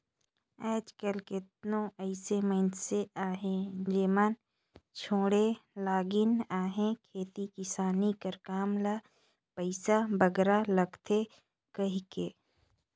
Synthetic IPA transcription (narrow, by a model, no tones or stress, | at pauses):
ɛːd͡ʒkəlkɪt̪̚nõʔəɪsemə̃ɪnseaːɦẽd͡ʒeman | t͡ʃʰoːɽelaːɡɪnaːɦẽkʰeːt̪ikɪsaːnikəɾkaːmla | pəɪsabəɡɾaləɡt̪ʰe | kɐɦikeː